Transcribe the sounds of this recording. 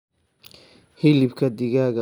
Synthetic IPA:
hɪlɪbkʰɐd̪ɪɣaːɣɐ

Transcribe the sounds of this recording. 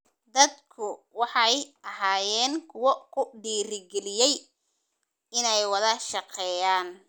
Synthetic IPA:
d̪ɐd̪kʰʊwɑħɑjʔɐɦaːjɛːnkʰʊwɔkʰʊɖiːɾɪɡɛlɪjɛj | ɪnɛjwɑðɐʃɑqʰɛːjaːn

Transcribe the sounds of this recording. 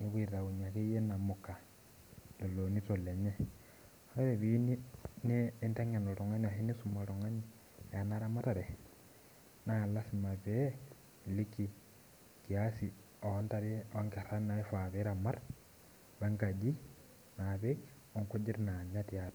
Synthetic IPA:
niβwiɾɾaɣuɲakejenamoka | lolonitoleɲe | ɾeβinineːnteŋenoɾoŋanahinisumaɾoŋani | janaɾamataɾe | nalasimaβe | liki | kiasi | oantaɾiŋɡeɾanaifaβeɾamaɾ | βaŋɡad͡ʒi | naβek | oŋkud͡ʒiɾinaɲatjat

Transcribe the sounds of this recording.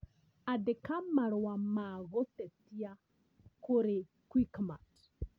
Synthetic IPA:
adɪkamaɾwamaɣɔt̪ɛtia | kʊɾɪ | kwikma̰t

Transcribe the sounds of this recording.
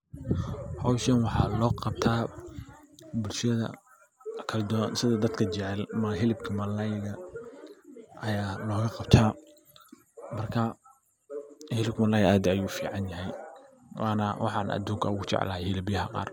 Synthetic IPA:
hɔwʃɐnwɑħɑ̰ːlɔːqɑb̚t̪ʰaː | bʊlʃɐðɐ̰ | kʰɐld̪ɔːnsɪðɐd̪ɐd̪kʰɐt͡ʃɪʕɛlmɐɦɪlɪbkʰɐmɐlɐjɣɐ | ʔɐjaːlɔːɣɐqɑb̚t̪ʰaː | mɐrkʰɐ | hɪlɪb̚kmɐlajaːd̪ɐjuːfiːʕɑnjɐɦɛj | wʔɑːnɐwʔɑ̰ħɑnɐ̰d̪uːŋkʰɐʊɣʊt͡ʃɛ̰ʕlaːhilɪbɪjɐɦɐqɑ̰ːr

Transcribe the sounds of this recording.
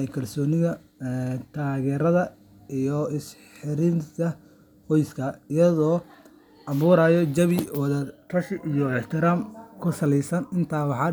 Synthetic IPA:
ɛjkʰɐlsɔːnɪðɐ | t̪ʰaːɣɛːɾɐðɐ | ijɔɪsħɪɾɪnt̪ʰɐ | hɔjskʰɐɪjɐðɔː | ʔɑβuːɾaːjɔd͡ʒɐβɪwɑðɐt̪ʰɐʃɪʔijɔɛħt̪ʰɪɾaːmkʰʊsɐlɛjsɐnɪnt̪ʰaːwɑħɑː

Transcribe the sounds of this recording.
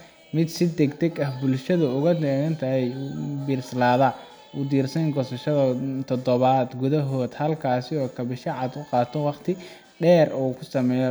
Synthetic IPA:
mɪd̪sɪd̪ɛɡd̪ɛɡɐhbʊlʃɐðɐʊɣɐd̪ɛːɣɐnt̪ʰɐɛjbiːrslaːða | ʔʊd̪iːrsɐŋɡɔsɐʃɐðɐt̪ʰɔd̪ɔβaːd̪ɡʊðɐɦɔːd̪hɐlkʰaːsɪɔːkʰɐβɪʃɐʕɑd̪ʊqɑːt̪ʰɔwɑqt̪ʰɪ | ɖɛːruːkʰʊsɐmɛj

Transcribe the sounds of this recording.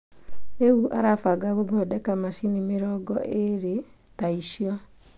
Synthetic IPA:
neuʔaɾafaɡaɣoðɔːdɛkamasinimeɾɔɡɔʔeɾe | taiʃiɔ

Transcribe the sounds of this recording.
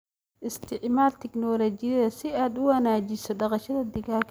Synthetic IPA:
ʔɪst̪ʰɪʕmaːlt̪ʰɪknɔːlɔt͡ʃɪjɐðɐsɪaːd̪ʊwɐnaːt͡ʃɪsɔɖɑqɑʃɐðɐd̪ɪɣaːkʰ

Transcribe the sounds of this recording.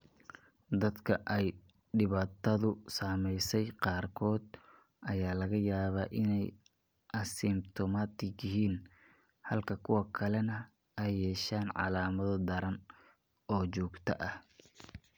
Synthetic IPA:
d̪ɐd̪kʰɐʔɛj | ɖɪβaːt̪ʰɐðʊsaːmɛjsɛjqɑːrkʰɔːd̪̚ | ʔɐjaːlɐɣɐjaːβaːʔɪnɛj | ʔɐsɪmt̪ʰɔmat̪ʰɪɡjɪɦiːn | hɐlkʰɐkʰʊwɐkʰɐlɛnɐ | ɛjːɛːʃaːnʕɑ̰laːmɐðɔd̪ɐɾɐn | ɔːt͡ʃɔːɡt̪ʰɐ̰ʔɐh

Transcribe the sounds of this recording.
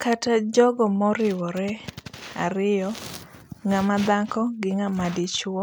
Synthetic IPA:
katad͡ʒɔɡɔmɔɾɪwɔɾɛa̰ɾɪjɔ | ŋamad̪akɔɡɪŋamadɪt͡ʃwɔ

